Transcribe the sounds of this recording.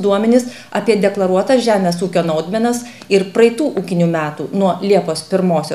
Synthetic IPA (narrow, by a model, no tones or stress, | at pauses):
d̪uɔmʲɛnʲɪs | ɑpʲiɛd̪ʲɛklˠɐɾuɔt̪ɐsʒʲæːmʲeɛsuːkʲoːnɐʊd̪ʲmʲɛnɐs | ɪɾpɾɐɪt̪uːʔuːkʲɪnʲuːmʲæːt̪ṵːnuɔlʲiɛpoːspʲɪɾmoːsʲoː